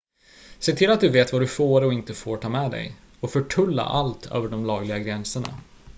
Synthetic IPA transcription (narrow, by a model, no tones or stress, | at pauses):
seːt̪ʰɪlːat̪̚d̪ɵveːt̪vad̪ɵfoːɾɔɪnt̪əfoːʈʰɑːmɛd̪ɛ̰j | ɔfœʈʰɵlːa̰ʔalt̪ʰø̰ːvəɖɔmlɑːɡlɪɡaɡɾɛnsəɳa̰